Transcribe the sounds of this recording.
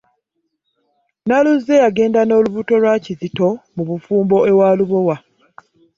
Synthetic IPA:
naluze̞jaɡe̞ːndano̞ːluβuto̞lwacizito̞muβufuːmbo̞e̞waːluβowa

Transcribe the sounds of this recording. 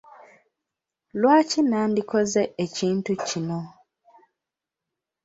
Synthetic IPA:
lwaːcinaːndiko̞zeeciːntucino̞

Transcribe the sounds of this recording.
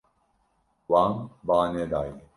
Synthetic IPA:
waːmbaːneːd̪aːi

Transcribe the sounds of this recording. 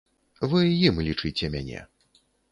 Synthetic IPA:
vɨjimlʲit͡ʂɨt͡sʲɛmʲanʲɛ̰

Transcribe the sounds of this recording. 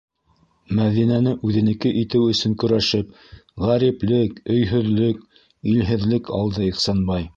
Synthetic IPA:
mæðinænɘʔʉðɘ̆nɘ̆kɘʔit̪ɘwɵ̆sɵŋkɵ̆ɾæʃɘp | ʁæɾiplɘkɵ̆jɦɵ̆ðlɵk̚ | ilɦɘ̆ðlɘkʰɑ̰lˠd̪ɤiχsɑnbɑj

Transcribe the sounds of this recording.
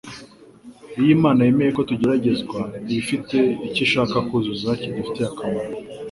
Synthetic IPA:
ijimaːnajeme̞jeko̞tuɟe̞ɾaɟe̞zɡwaiifite̞iciʃaːkakuzuzacidufi̥te̞akamaɾo

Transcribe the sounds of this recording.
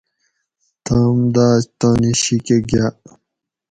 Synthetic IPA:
t̪amd̪aːɕt̪aːniɕikeɡa

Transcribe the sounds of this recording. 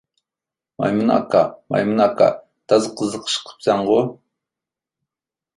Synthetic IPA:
ma̰jmʊna̰kama̰jmʊnaka̰ | t̪azqəzəqʃqʰə̥p̚t͡sɑɴɢo

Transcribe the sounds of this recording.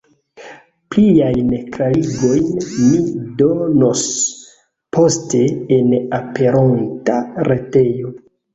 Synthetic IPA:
pliajnkɾaɾiɡo̞jnmido̞no̞s | pʰo̞ste̞ːnape̞ɾontaɾete̞jo̞

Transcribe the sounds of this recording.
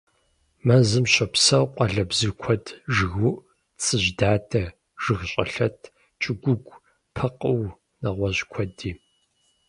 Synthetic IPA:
mɐzɨmɕɐpsɐwqʷʼɐɮɐbzɨkʷʰɔdʰʒɨɣuʔ | t͡sʼɨʑdaːtʰɐ | ʒ̥ɨɣɕʼɐ̰ɬɐtʰ | t͡ʃʼɪɡʷʊɡʷʼ | pʰɐqʼəw | nɐʁʷɔʑkʷʰɔdiː

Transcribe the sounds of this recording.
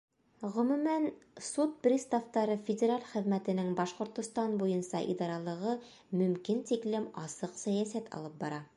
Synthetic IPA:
ʁɵ̆mʉ̆mænsut̪̚prʲist̪aft̪ɑɾɤfʲɪdʲeɾalʲχɘ̆ðmæt̪ɘ̆nɘŋbɑʃqŏɾt̪ŏst̪ɑnbujɤnsɑʔḭd̪ɑɾɑlˠɤ̆ʁɤ | mɵ̆mkint̪iklɘmɑsɤqsæjæsæt̪ʰɑ̰lˠɤp̚bɑɾɑ

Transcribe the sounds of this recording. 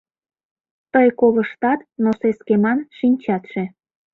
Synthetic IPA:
t̪əjkoləʃt̪ɑt̪noseskemɑnʃinʲt͡ɕɑt̪ʃe

